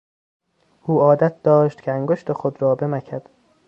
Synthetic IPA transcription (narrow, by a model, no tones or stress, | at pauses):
ʔuːɒːd̪æt̪̚d̪̥ɒːʃt̪cʰeæŋɡoʃt̪ʰexod̪ɾɒːbemækʰæd̪̥